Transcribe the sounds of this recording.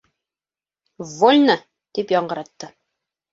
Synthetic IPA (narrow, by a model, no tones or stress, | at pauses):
volʲna | t̪ipjɒɴɢɤ̆ɾɑt̪ːɤ